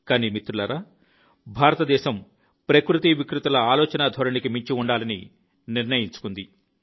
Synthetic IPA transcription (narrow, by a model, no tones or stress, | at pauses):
kaːniːmit̪ɾulɐɾa | bʱaːɾɐt̪ɐd̪ɛːʃɐm | pɾɐkɾut̪iʋikɾut̪ɐlɐaːlɔːt͡ʃɐnad̪ʱɔɾɐnikimiɲt͡ʃiuɳɖaːlɐnḭ | niɾnɐjiɲt͡ʃu̥kund̪i